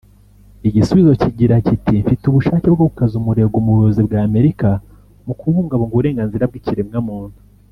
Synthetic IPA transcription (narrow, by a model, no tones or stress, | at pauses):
iɟisuβizo̞ciɟiɾacitimfituβuʃaːceb̚ɡoβukazumuɾe̞ɡumuɾozibɡaːme̞ɾika | mukuβuːŋɡaβoŋɡuβuɾe̞ːŋɡanziɾab̚ɡiciɾemŋamuːnu̥